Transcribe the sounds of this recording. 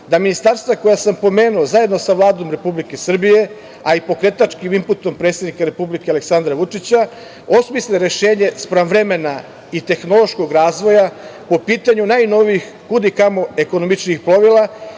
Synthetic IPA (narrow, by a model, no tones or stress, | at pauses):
d̪aminist̪aɾst̪vako̞jasampo̞me̞ːnuozaje̞d̪no̞saʋlˠaːd̪o̞mɾe̞publike̞sr̩bije̞ | aipo̞kɾe̞t̪at͡ʃkimimput̪o̞mpɾet̪se̞d̪nikaɾe̞publikealeksand̪ɾaʋut͡ʂit͡ɕa | o̞smisleɾeʃe̞ːɲe̞spɾanʋɾe̞me̞na | it̪e̞xno̞lˠo̞ʃko̞ɡɾaːzʋo̞japo̞piːt̪aɲunaːjno̞ʋiix | kud̪ikamo̞e̞ko̞nomit͡ʃnixplo̞ʋilˠa